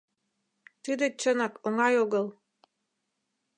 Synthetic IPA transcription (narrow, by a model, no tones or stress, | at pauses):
t̪ɨd̪ĕt͡ɕənɑkoŋɑjoɣəl